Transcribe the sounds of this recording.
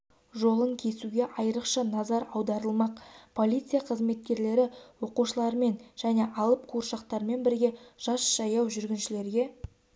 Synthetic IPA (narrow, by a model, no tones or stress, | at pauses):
ʒo̞lˠəŋkʲʰe̞suɡʲe̞ʔɑjəɾəqʃɑnɑzɑɾɑwd̪ɑɾəlˠmɑqpʰo̞lʲit̪sɨijaqʰəzme̞t̪̚kʲe̞ɾle̞ɾɪwo̞quʃəlˠɑɾəme̞nʒ̥æne̞ʔɑlˠəp̚qʰuɾʃɑqt̪ɑɾme̞nbɪɾɡʲe̞ʒ̥ɑsʒ̥ɑjɑwʒʏɾɡʲɪnʃɪle̞ɾɡʲe̞